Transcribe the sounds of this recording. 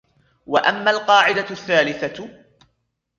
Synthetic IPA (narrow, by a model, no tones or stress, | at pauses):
wa̰ʔamːalqɑːʕɪd̪aθːaːlɪθa